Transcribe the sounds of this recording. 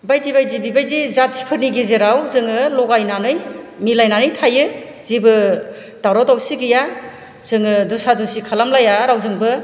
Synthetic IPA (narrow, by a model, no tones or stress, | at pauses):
bajdibajdibibajdizat̚si̥pʰɯɾniɡezeɾawzɯŋɯlɔɡajnanɯjmilajnanɯjtʰajɯ | z̥ibɯ | d̥awɾawtawsiɡija | z̥ɯŋɯdusadusikʰalamlajaɾawzɯŋbɯ